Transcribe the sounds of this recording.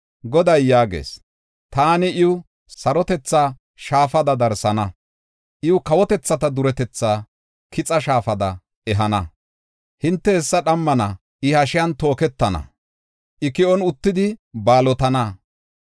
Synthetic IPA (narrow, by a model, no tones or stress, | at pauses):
ɡɔd̪ɐjːaːɡḛːs | t̪aːnɪʔɪʊ | sɐɾɔt̪ɛt͡sːaː | ʃaːfɐd̪ɐd̪ɐɾsɐnɐ | ʔɪʊkɐwɔt̪ɛt͡sːɐt̪ɐd̪ʊɾɛt̪ɛt͡sːaː | kʰɪt͡sʼɐʃaːfɐd̪ɐ | ɛɦɐnɐ | hɪnt̪ːɛɛsːɐɗɐmːɐnɐ | ʔɪhɐʃɪjɐnt̪o̞ːkɛt̪ːɐnɐ̰ | ʔɪkɪɔnʊt̪ːɪd̪ɪbaːlɔt̪ɐnɐ